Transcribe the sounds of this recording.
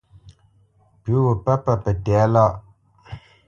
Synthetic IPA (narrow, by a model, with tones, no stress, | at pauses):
pu˨˦wə˨pə˦pə˦˨pə˨tɛ˨˦la˦ʔ